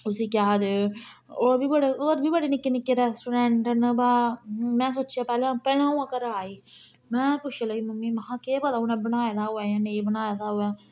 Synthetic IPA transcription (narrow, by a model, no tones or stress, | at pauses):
ʊsiːkaːd̪e | oːɾbʱiːbəɽeoːɾbʱiːbəɽenɪkːenɪkːeːɾɛːsʈuːɖɛ̃ːɳʈənbaːmɛ̃ːsoːt͡ʃaːpɛːleãːpɛːɽ̃ãːũːãːkəɾaːiː | mɛ̃ːpʊʃʰẽləiːməmːiːməɦãːkeːbəd̪aːʊnẽːbənaːjad̪aːɦʊɛːjãːneːbənaːjad̪aːɦʊɛː